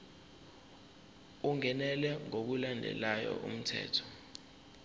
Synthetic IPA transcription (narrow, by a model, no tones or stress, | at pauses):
uŋɛnɛlɛŋok̬ulandʱɛ̰lajɔ̰ʔṵm̩tʰɛ̰ːtʰɔ̥